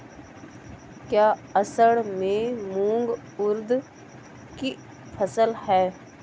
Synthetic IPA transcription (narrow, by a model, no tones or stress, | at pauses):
kjaːəsəɽmẽmũːŋɡ | ʊɾd̪ | ki | pʰəsəlhɛː